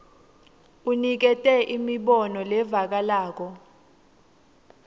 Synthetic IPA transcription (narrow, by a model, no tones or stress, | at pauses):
unik̬ɛtʼɛʔimiɓɔnɔlɛvak̬alaːk̬ɔ